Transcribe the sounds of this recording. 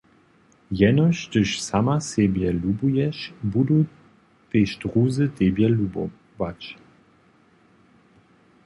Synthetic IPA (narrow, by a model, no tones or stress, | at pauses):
jɛnɔʃtəʃsamasebjɛlubujɛʃbudu | teʃtʁuːzətebjɛlubo̰ | bat͡ʃ